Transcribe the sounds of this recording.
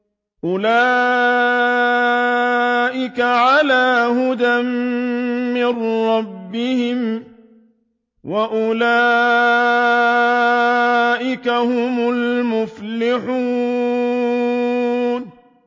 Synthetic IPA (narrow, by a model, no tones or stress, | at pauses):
ʔʊlaː | ʔɪkaʕalaːɦʊd̪amː | ɪrɾɑbːɪhɪm | waʔʊlaː | ʔɪkahʊmʊlmʊflɪħuː | n